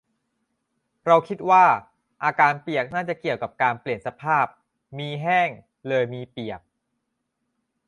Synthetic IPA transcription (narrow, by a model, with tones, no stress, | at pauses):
ɾa˧wkʰi˦˥t̪̚waː˥˩ | ʔaː˧kaː˧npi˨˩ək̚naː˥˩t͡ɕa˨˩ʔki˨˩əwka˨˩p̚kaː˧npli˨˩ənsa˧pʰaː˥˩p̚ | miː˧ɦɛː˥˩ŋ | lɤː˧jmiː˧pi˨˩ək̚